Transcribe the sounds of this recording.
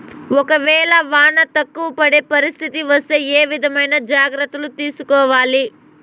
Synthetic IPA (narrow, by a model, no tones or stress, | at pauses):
ɔkɐʋɛːɭɐʋaːɳɐt̪ɐkːuʋɐpɐɽepɐɾist̪ʰit̪iʋɐst̪eeːʋid̪ʱɐmɐjnɐd͡ʒaːɡɾɐt̪ːɐlut̪iːsukɔːʋaːli